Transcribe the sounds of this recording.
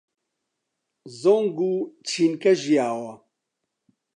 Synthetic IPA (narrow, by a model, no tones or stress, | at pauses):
zoŋɡut͡ʃʰinkɐʒijaːwɐ